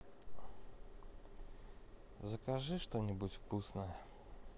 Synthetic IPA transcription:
zəkɐʐɨʂt̪onʲɪbutʲfkusnəjə

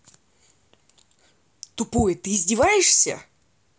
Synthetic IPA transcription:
t̪ʊpojət̪ɨːzʲdʲɪvajɪʂsʲə̰

